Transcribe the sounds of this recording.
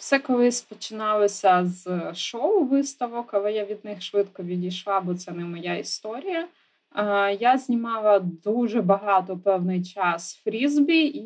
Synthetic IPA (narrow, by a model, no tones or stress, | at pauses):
wsɛkɔlˠɪsʲpɔt͡ʃɪnɑlˠɔsʲɐzʃɔʊʋɪst̪ɐʋɔkɐlˠɛjaʋʲid̪̚nɪxʃʋɪt̪kɔʋʲidʲijʃlˠɑbɔt̪sɛnɛmɔjaist̪ɔɾʲijɐ | jazʲnʲimɑlˠɐd̪uʒɛbɐɦɑt̪ɔpɛwnɪjt͡ʃɑsfɾʲizbʲi